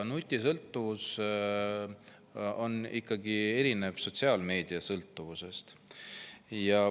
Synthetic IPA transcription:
nut̪ʲːˑisɤlt̪ːuvus | o̞nikːɑɡie̞ɾine̞v̥so̞t̪ʲsiɑːlme̞ːd̪̥iɑsɤlt̪ˑːuvuse̞st̪ | jɑ

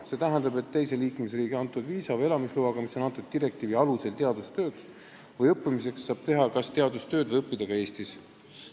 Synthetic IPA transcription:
se̞ːt̪æɦɛnd̪ɑbe̞t̪ːe̞jse̞liːkmesriːɡeɑnt̪ːˑud̪viːsɑvɤe̞lɑmisluɑɡ̥ɑmiso̞nɑnt̪ːˑud̪̥̚t̪iɾe̞k̚t̪iːviɑluse̞lt̪e̞ɑd̪ust̪ø̞ːks | vɤjɤpːimis̬e̞ksːɑːb̥̚t̪e̞ɦɑkɑst̪e̞ɑd̪ust̪ø̞ːd̪vjɤpːid̪̥ɑɡ̥ɑeːst̪is

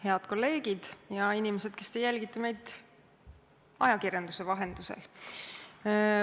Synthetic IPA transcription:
he̞ɑd̪̥ko̞lːe̞ːɡ̥id̪̥jɑinimesed̪̥ke̞st̪e̞jːælʲɡit̪ːˑɑme̞jd̪̥ | ɑjɑkirjɑnd̪̥use̞vɑɦend̪̥usḛl

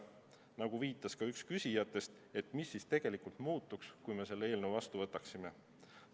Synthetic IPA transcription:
nɑɡ̥uviːt̪ːˑɑskɑykskysʲijɑt̪ːˑe̞st̪ | e̞t̪misːiːst̪e̞ɡ̥e̞likult̪muːt̪ːˑukskujme̞se̞lːee̞ːlne̞wvɑst̪uvɤ̞t̪ːˑɑksime̞

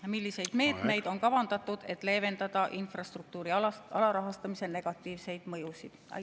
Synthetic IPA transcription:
milʲːise̞jd̪̥me̞ːt̪ˑme̞jd̪̥o̞nkɑvɑnd̪̥ɑt̪ːˑud̪̥e̞t̪ːˑle̞ːve̞nd̪ɑd̪̥ɑʔinfrɑst̪ruk̚t̪uːɾiɑlɑɾɑɦɑst̪ɑmise̞ne̞ɡ̥ɑt̪ːˑiːvse̞jd̪̥mɤ̞jusid̪̥ɑ̰

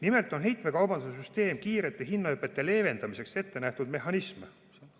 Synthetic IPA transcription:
nime̞lt̪ːˑo̞nɦe̞jt̪ˑme̞kɑwbɑnusesyst̪e̞ːmkiːɾet̪ːˑeɦinːɑøpːˑe̞t̪ːˑe̞le̞ːve̞nd̪ɑmise̞kse̞t̪ːe̞næht̪ud̪̥me̞ɦɑnisme

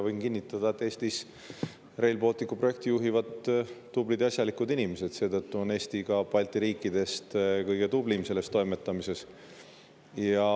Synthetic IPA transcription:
vɤjnkinːit̪ːˑɑd̪̥ɑet̪ːˑe̞ːst̪is | re̞jlbo̞lt̪ːˑikːˑuproe̞k̚t̪ijuɦivɑd̪ː | ublid̪eɑsjɑlikud̪inʲimese̞d̪̥se̞ːt̪ɤt̪ːuo̞ne̞ːst̪iɡɑpɑlʲt̪ˑiɾiːkːˑid̪̥e̞st̪kɤjɡ̥e̞t̪ublimse̞le̞st̪ojme̞t̪ˑːɑmise̞s | jɑ

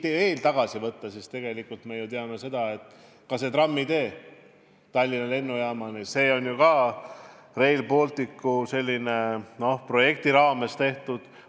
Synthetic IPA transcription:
ie̞ːlt̪ɑɡ̥ɑsivɤt̪ːɑsist̪e̞ɡ̥e̞likːˑult̪meejut̪eɑnese̞d̪̥ɑe̞t̪ː | kɑse̞t̪rɑmːid̪e̞ː | t̪ɑlʲːinːɑle̞nːujæːmɑnise̞ːo̞nʲjukɑː | re̞jlpo̞ːlt̪ikːuse̞lʲːine̞no̞hpro̞je̞k̚t̪iɾɑːme̞st̪e̞ht̪ud̪̥

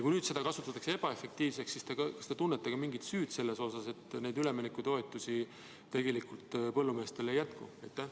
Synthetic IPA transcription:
jɑkujnyːd̪se̞d̪ɑkɑsut̪ːˑɑt̪ːˑɑksee̞b̥ɑe̞fe̞k̚t̪iːvs̬e̞ksːist̪eɡɑkɑst̪et̪unːet̪ːekɑmiŋɡit̪syːd̪̥se̞lːe̞so̞sɑse̞t̪ːne̞jd̪yleminekːut̪o̞et̪ːˑusi | t̪e̞ɡ̥e̞likult̪pɤ̞lːumeːst̪ɾele̞jæt̪kṵejt̪ːˑæ

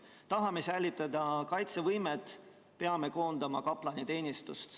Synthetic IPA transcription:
t̪ɑɦɑmesæjlʲit̪ːˑɑd̪ɑkɑjt̪sevɤjmet̪ːˑ | pe̞ɑme̞ko̞ːnd̪ɑmɑkɑplɑnʲit̪e̞ːnʲist̪ust̪

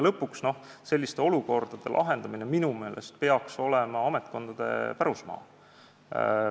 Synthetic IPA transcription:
lɤpːˑuksno̞hse̞lʲːist̪e̞o̞luko̞rd̪̥ɑd̪̥e̞̰lʔɑ̰ɦe̞nd̪̥ɑmineminume̞ːlʔest̪̚pe̞ɑkso̞lemɑɑmet̪̚ˑko̞nd̪̥ɑd̪̥e̞̰pæɾusmɑ̰ː

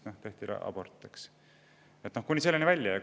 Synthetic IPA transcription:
noht̪e̞ht̪iɾɑ̰ɑ̰b̥ort̪ːˑeks | et̪nohkunʲiselːenivælʲjɑjɑ

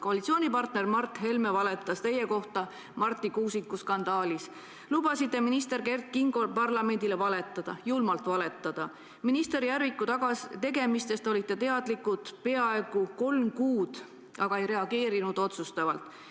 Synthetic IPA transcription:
ko̞ɑlʲit̪sioːnʲipɑrt̪ne̞rmɑrt̪ˑhe̞lme̞vɑle̞t̪ːˑɑst̪e̞jːe̞ko̞ht̪ɑ | mɑrt̪ːˑikuːsikːuskɑnd̪̥ɑːlis | lubɑsit̪ˑːe̞minist̪e̞ɾke̞rt̪̚kiŋɡ̥o̞lpɑrlɑme̞nd̪̥ile̞vɑle̞t̪ːˑɑd̪̥ɑjulmɑlt̪ˑvɑle̞t̪ːˑɑd̪̥ɑ | minist̪e̞ɾijærvikːˑut̪ɑɡɑt̪e̞ɡe̞mist̪e̞st̪o̞lʲit̪ːˑe̞t̪e̞ɑd̪̥likːˑut̪pe̞ɑe̞ɡ̥uko̞lmkuːd̪̥ | ɑɡ̥ɑe̞jɾe̞ɑɡe̞ːɾinud̪̥o̞t̪sust̪ɑvɑlt̪ˑ

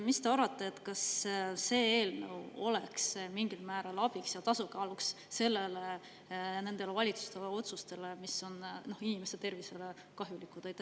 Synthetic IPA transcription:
mist̪e̞ɑɾɑt̪ːˑeːt̪kɑsːe̞ːeːlnə̰wo̞̰leksmiŋɡ̥ilmæːɾɑlɑb̥iksjɑt̪ɑsukeɑluksː | e̞lːele̞ | ne̞nd̪̥e̞levɑlʲit̪su̥st̪e̞leo̞t̪sust̪e̞le̞miso̞nno̞hinimest̪e̞rvise̞le̞ | kɑɦjulikːˑud̪̥ɑjt̪ː

